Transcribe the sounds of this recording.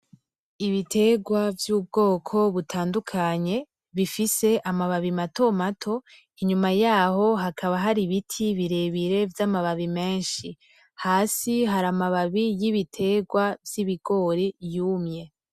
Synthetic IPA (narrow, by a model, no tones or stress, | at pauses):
iβitʰe̞ɡwavjuːb̚ɡo̞ːkʰo̞βutʰaːndukʰaɲe̞ | βifise̞ʔamaβaβimato̞matʰo̞ | iɲumajaːho̞ɦakʰaβaɦaɾiβitʰiβiɾe̞βiɾe̞vjamaβaβime̞ːnʃi | haːsiɦaɾamaβaβijiβitʰe̞ɡwavjiβiɡ̥o̞ɾejuːmɲe̞